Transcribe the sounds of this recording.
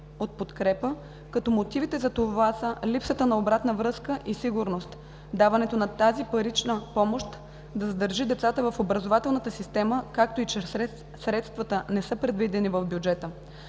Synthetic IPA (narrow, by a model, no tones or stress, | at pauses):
ot̪̚pot̪kɾɛpə | kɐt̪ɔmot̪ivit̪ɛzɐt̪ovasəlipsət̪ənɐobɾat̪nəvɾɤskəʔisiɡuɾnost̪ | d̪avɐnɛt̪onɐt̪azipɐɾit͡ʃnəpɔmoʃt̪ | d̪ɐzɐd̪əɾʒid̪ɛt̪sat̪əvɐfobɾɐzovat̪ɛlˠnət̪əsist̪ɛməkak̚t̪oit͡ʃɛ | sɾɛt̪st̪vɐt̪ənɛsɤpɾɛd̪vid̪ɛnivəvbʲjud͡ʒɛt̪ə